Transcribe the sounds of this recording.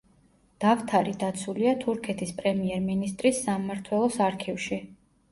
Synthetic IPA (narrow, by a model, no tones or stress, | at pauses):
d̪̥aft̪ʰaɾid̪at̪sʰuliat̪ʰuɾkʰɛt̪ʰispʼɾɛmiɛɾminist̪ʼɾisːammaɾt̪ʰwɛlˠɔsaɾkʰivʃi